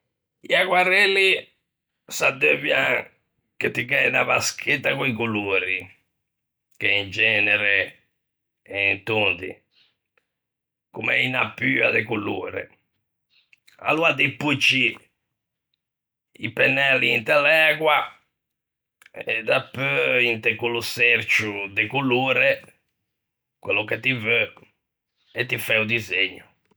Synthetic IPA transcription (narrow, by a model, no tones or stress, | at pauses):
iaɣwaɾeli | sad̪øβjã | ket̪ːiɣɛinaβaskʰet̪ːakuikuluːɾi | keind͡ʒɛːnɛɾɛ | ɛint̪unt̪ḭ | kumɛ̰inapːyːa̰ðɛkulṵːɾɛ̰ | a̰luad̪ipːut͡ʃːi | ipɛnːɛlːiːnt̪ɛlɛːɣwa | ɛd̪apːøint̪ɛkuluseɾt͡ʃud̪ɛkuluːɾɛ | kwelːɔkɛt̪ivø | ɛt̪ːifɛud̪izeɲːu